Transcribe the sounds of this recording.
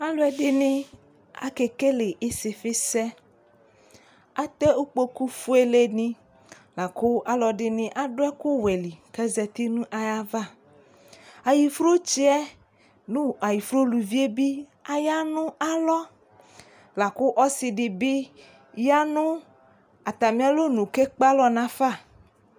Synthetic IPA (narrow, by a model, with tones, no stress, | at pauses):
a˦lo˦ɛ˨ɖɪ˨nɪ̃˦ | a̰˨ke˨ke˦le˨ʔe˦se˨fɪ˦sɛ˦ | a˦t̪ɛ˦u˦k͡po˦ku˦fu˦e˦le˦nĩ˦ | la˨ko˦a˦lɔ˨ɖɪ˨nɪ̃˦ʔa˦ɖo˦ɛ˦ku˦we˨li˨kɛ˦zɛ˨t̪i˦nũ˦ʔa˨ja˦va˦˨ | a˨ji˨fɾo˦t͡ʃi˦ɛ˦ | nũ˦a˨ji˨fɾo˦lu˨vi˦e˦bi˦ | a˨ja˦nũ˦a˦lɔ˦ | la˨ko˦ʔɔ˦si˨ɖi˨bi˦ | ja˦nũ˦ | a˨t̪a˨mĩ˦a˦lo˦nũ˨ke˦k͡pa˦lɔ˦nã˦fa˦˨